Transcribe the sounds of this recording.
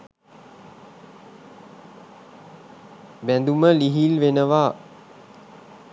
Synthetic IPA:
bænd̪uməliɦilʋenəʋa

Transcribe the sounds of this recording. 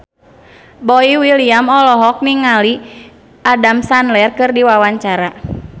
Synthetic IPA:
bɔiwiliamɔlɔɦɔk̚niŋali | adamsanlɛrkɨrdiwawaɲt͡ʃaɾa

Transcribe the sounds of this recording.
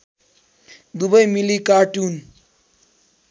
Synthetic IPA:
d̪ubʌjmilikaːʈun

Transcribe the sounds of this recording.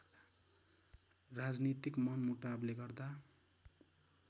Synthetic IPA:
rad͡znit̪ikmʌnmuʈableɡʌrd̪a

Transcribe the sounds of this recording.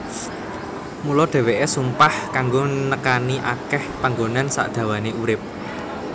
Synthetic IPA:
mulɔɖ̪̥ɛ̤weʔesumpahkaŋɡonəkaniʔakɛhpaŋɡonansa̰ʔd̪̥ä̤waneʔuɾɪp̚

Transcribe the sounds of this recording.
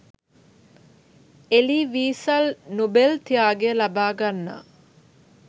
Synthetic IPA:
eliːʋiːsɐlnobelt̪ijaːɡeəlabaːɡanːa̰ː

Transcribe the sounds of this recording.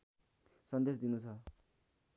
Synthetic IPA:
sʌnd̪esd̪inut͡sʰʌ

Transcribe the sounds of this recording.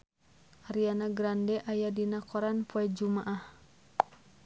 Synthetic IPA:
ʔaɾianaɡɾandɛʔajadinakɔɾanpoɛd͡ʒumaʔah

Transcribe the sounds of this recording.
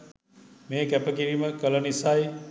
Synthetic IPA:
meːkɛpəkiɾiməkələnisaj

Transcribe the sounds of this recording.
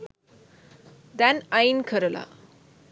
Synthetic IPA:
d̪anajnkʰəɾəla̰

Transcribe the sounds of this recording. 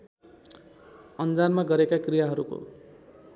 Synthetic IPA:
ʌnd͡zanmaɡʌɾekakrijaɦʌɾuko̰

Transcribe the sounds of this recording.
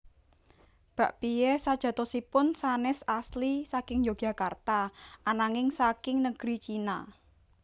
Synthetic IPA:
b̥ä̤ʔpijɛsad̥ʒ̥a̤t̪osipʊnsanɪsaslisakɪŋjoɡ̥a̤kart̪aʔanaŋɪŋsakɪŋnəɡ̥ɾit͡ʃina

